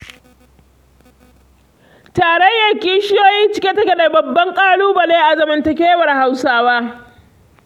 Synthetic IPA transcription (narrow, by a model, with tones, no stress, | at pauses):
taː˨ɽɐ˦jːɐ˨rkʲiː˦ʃɪ˦joː˦jiː˦t͡ʃɪ˦kʲe˦tɐ˦kʲe˨da˨bɐ˨bːɐ˦ŋkʼaː˦luː˦bɐ˨leː˦ʔa˨zɐ˨mɐ˨ntɐ˨kʲeː˦wɐ˨rha˨wsaː˦waː˦